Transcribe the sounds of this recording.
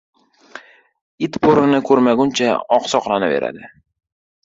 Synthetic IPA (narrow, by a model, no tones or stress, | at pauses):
ɪt̪pʰoɾɪnɪkʰɵɾmaɡʊnt͡ʃʰaɒqsɒqlˠanave̞̰ɾa̰d̪ɪ